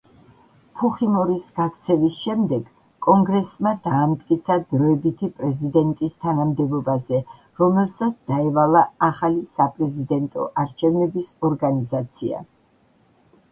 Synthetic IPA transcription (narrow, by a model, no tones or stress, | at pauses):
pʰuχimɔɾisɡ̥akʰt̪sʰɛvisʃɛmd̪ɛɡ | kʼːɔŋɡɾɛsmad̪aːmt̪ʼkʼit̪sʰad̪ɾɔɛbit̪ʰipʼɾɛzid̪ɛnt̪ʼist̪ʰanamd̪ɛbɔbazɛ | ɾɔmɛlˠsat̪sʰd̪̥aɛvalˠaaχalisapʼɾɛzid̪ɛnt̪ʼɔ̰ʔaɾt͡ʃʰɛvnɛbisɔɾɡanizat̪sʰia̰